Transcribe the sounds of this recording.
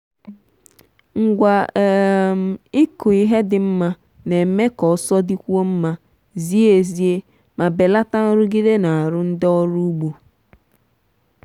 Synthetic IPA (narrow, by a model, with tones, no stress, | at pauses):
ŋ̩˨ɡʷa˨ | m˨ɪ˦kʊ˨i˦ɦe˦dɪ˦m̩˦ma˦ | ne˨me˦kɔ˨˦sɔ˦di˦kʷu˦o˦m̩˦ma˦ | zi˦e˨zi˦e˦ | ma˨be˨la˦ta˦n̩˦ɾʊ˦ɡi˦de˦na˨a˨ɾʊ˦n̩˦dɔ˦ɔ˦ɾu˦ɡ͡bu˨